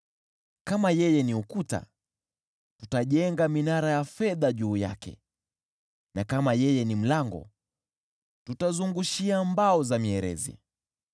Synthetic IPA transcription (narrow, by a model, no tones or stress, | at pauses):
kamajɛjɛniukuta̰ | tutaʄɛŋɡaminaɾajafɛðaʄuːja̰kɛ̰ | nakamajɛjɛnim̩laŋɡɔ̰ | tutazuŋɡuʃiambaɔzamiɛɾɛ̰zḭ